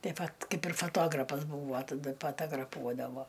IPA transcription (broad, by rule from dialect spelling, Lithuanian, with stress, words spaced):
ˈtɐɪ ˈʋɐt ˈkɐɪp ɪr foːˈtoːɡrɐpɐs ˈbuːʋoː tɐˈdɐ pɐtɐɡrɐˈpuɔdɐʋoː